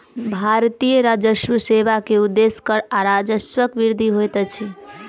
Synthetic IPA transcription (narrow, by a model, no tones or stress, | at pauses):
bʱaɾt̪ijəɾad͡ʒəswəsebakeud̪ːeskəɾaɾad͡ʒəswəkbiɾd̪ʱiɦojt̪ət͡ʃʰi